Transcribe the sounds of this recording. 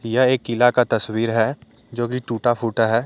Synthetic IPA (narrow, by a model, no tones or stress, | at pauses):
jəɦeːkːɪlakat̪ɐswiːɾɦɛː | d͡ʒoːkiʈuːʈapʰuːʈəɦɛː